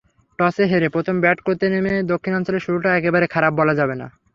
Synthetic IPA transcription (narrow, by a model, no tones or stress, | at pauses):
ʈɔseɦeɾepɾot̪ʰombɛʈkoɾt̪enemed̪okʰːinɔnsoleɾʃuɾuʈaɛkebaɾekʰaɾap̚ːɔlad͡ʑabena̰